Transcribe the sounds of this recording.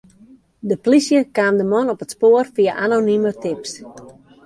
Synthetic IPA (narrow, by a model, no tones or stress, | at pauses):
dəplisjəkaːmdəmɔnɔpətspoːərfiəʔanonimətɪps